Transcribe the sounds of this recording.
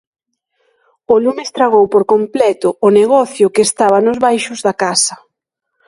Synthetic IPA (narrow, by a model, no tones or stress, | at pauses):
olumest̪ɾaɣowpoɾkomplɛt̪ʊːneɣɔθjʊkeːst̪aβɐnʊzβajʃʊzðɐkasɐ